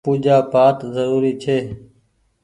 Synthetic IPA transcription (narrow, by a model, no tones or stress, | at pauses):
puːd͡ʒaːpaːt̪zəɾuːɾiːt͡ʃʰeː